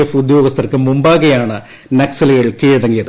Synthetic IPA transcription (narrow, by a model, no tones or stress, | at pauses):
efud̪jo̞ːɡɐst̪ʰɐrkːɨmumbaːɣɐjaːɳɨ | nɐksɐlɐɣɐɭkiːɻɽɐŋɡijɐðɨ